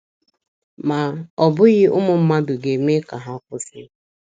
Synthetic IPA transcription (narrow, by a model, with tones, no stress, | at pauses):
ma˨ɔ˨bʊ˦ɣɪ˦ʔʊ˦mʊ˨m̩˦ma˦bʊ˨ɡe˨me˦ka˨ɦa˦kʊ˦sɪ˦